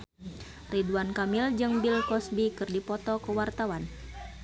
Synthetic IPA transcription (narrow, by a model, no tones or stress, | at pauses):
riduankamild͡ʒɨŋbilkɔsbikɨrdipɔt̪ɔkəwart̪awan